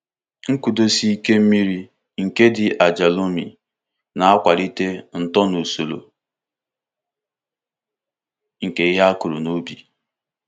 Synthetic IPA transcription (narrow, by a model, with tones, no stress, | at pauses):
ŋ̩˦ku˨do˦si˦ke˦m̩˦mi˦ɾi˦ | ŋ̩˨ke˦dɪ˨ʔa˨d͡ʒa˨lo˦mḭ˨ | na˨a˦kʷa˨ɾi˦te˦n̩˨tɔ˦nu˨so˨lo̰˨ | ŋ̩˨ke˦ɦa˦ku˨ɾu˨no˦bi˨